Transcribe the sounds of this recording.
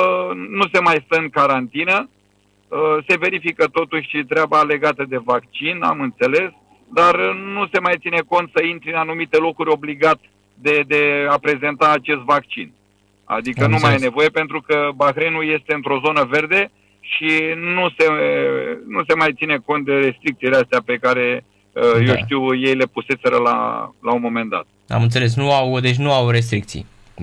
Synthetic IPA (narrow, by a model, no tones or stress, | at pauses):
nuse̞majst̪əɨŋkaɾant̪inə | əse̞ve̞ɾifikət̪o̞t̪uʃʲʃit̪ɾʲeabale̞ɡat̪əd̪e̞vakt͡ʃina̰mɨnt̪se̞le̞s | d̪arnuse̞majt̪sine̞ko̞nt̪səint̪ɾiɨnanumit̪e̞lo̞kuɾʲo̞bliɡat̪ | d̪ed̪e̞apɾe̞ze̞nt̪aːt͡ʃe̞st̪vak̚t͡ʃḭn | a̰d̪ikənumajjene̞vo̞je̞pe̞nt̪ɾukəbaxɾenulje̞st̪e̞ɨnt̪ɾo̞zo̞nəve̞rd̪e̞ | ʃinuse̞ | nuse̞majt̪sine̞ko̞nt̪̚d̪e̞ɾe̞st̪ɾikt̪sileast̪eape̞kaɾe̞ | əjewʃt̪iwje̞jle̞puse̞se̞ɾəla̰launmo̞me̞nd̪a̰t̪ | a̰mɨnt̪seles̬nuawd̪et͡ʃʲnuawɾes̬t̪ɾik̚t̪sḭj